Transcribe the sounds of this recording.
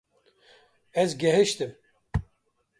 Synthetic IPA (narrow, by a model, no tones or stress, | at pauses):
ɛzɡɛɦɨʃt̪ɨm